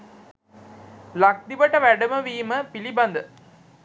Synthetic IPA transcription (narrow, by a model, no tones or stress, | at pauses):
lak̚d̪iʋəʈəʋæɖəməʋiːməpiliband̪ə